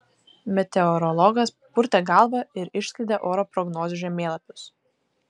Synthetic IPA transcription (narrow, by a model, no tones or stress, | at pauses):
mʲɛt̪ʲɛɔɾɔlˠɔɡɐs | pʊɾʲt̪ʲɛɡɑˑlˠbɐɪɾɪʃʲsʲkʲlʲɪd̪ʲɛʔoːɾɔpɾɔɡnoːzʲʊʒʲɛmʲeːlˠɐpʲʊs